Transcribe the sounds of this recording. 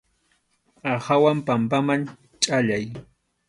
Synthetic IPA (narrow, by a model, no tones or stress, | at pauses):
ahawampampaman | t͡ʃʼaʎaj